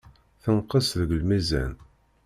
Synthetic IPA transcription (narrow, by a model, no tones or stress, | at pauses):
θənqəsðəɡlmæzæ̰n